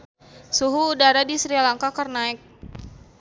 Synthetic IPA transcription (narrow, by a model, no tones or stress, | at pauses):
suɦuːdaɾadisɾialaŋkakərnaɛk̚